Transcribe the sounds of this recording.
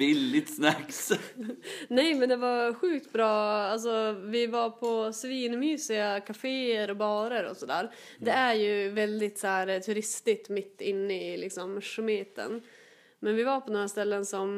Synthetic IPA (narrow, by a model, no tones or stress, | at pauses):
ɪlːɪt̪snɛks | nɛjmɛnd̪ɛvaɾɧʉ̟ːk̚t̪bɾɑːals̬ɔvɪvaɾpʰɔsviːnmyːsɪɡakʰafeːəɾɔbɑːɾəɾɔ̰sɔd̪æ̰ːɾd̪ɛæɾjɵvɛld̪ɪt̪sæːɾt̪ʰɵɾɪst̪ɪst̪mɪt̪ːɪnːəɪlɪksɔmʂʉmeːt̪ə̰n | mɛnvɪvaɾpʰɔd̪onɾast̪ɛlːənsɔm